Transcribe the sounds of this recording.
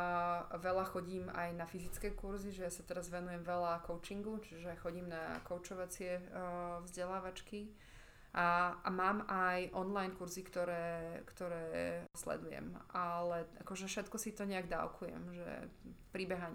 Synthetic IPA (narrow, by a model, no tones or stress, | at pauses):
ʋɛlaxɔɟiːmajnafizit͡skɛːkuɾziʒɛjasat̪ɛɾazʋɛnujɛmʋɛlakɔʊt͡ʃiŋɡut͡ʃiʒɛxɔɟiːmna̰kɔʊt͡ʃɔʋat͡sɪɛvzɟɛlaːʋat͡ʃki | ʔaa̰maːmajʔɔnlajnkuɾzikt̪ɔɾɛːkt̪ɔɾɛːslɛ̰d̪ujɛ̰malɛʔa̰kɔʒɛfʃɛt̪kɔsit̪ɔɲɛaɡd̪a̰ʊkʰujɛ̰mʒɛ̰pɾibɛɦaɲ